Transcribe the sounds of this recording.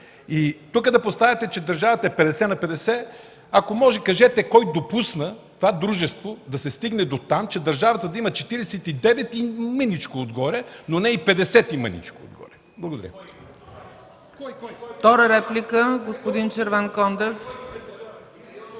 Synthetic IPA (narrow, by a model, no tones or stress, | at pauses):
it̪ukəd̪ɐpost̪avʲət̪ɛt͡ʃɛd̪ɐɾʒavət̪ɐɛpɛd̪ɛsɛnɐpɛd̪ɛsɛ | akomɔʒɛkɐʒɛt̪ɛkɔjd̪opusnət̪ovad̪ɾuʒɛst̪vod̪ɐsɛst̪iɡnɛd̪ot̪amt͡ʃɛd̪ɐɾʒavɐt̪əd̪ɐimɐt͡ʃɛt̪iɾɛsɛt̪id̪ɛvɛt̪imənit͡ʃkood̪ɡɔɾʲɛnonɛipɛd̪ɛsɛt̪imə̰nḭt͡ʃkoo̰d̪̚ɡɔ̰ɾʲɛ | blˠɐɡod̪ɐɾʲə̰ | ft̪ɔɾəɾɛplʲikəɡospʊd̪int͡ʃəɾvankɔnd̪ɛf